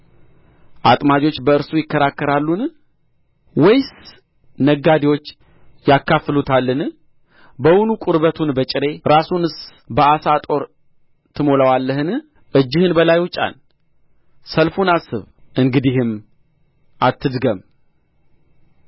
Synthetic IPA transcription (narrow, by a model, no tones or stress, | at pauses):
ʔat̪ʼmad͡ʒo̞t͡ʃːbəɨɾsujɪkːəɾakːəɾalːun | wɔjs | nəɡːad̪iwo̞t͡ʃː | jakːaflut̪ʰalːɨn | bəwʊnukʼʊɾβət̪ʰunbət͡ʃʼɪɾe̞ɾasunɨs | bəasat̪ʼo̞ɾ | t̪ʰɨmoləwalːəɦɨn | ʔɨd͡ʒːɪhɨnbəlajwʊt͡ʃʼa̰n | səlfunasɨβʔɨŋɡɨd̪iɦɨm | ʔat̪ʰːɨd̪ɡəm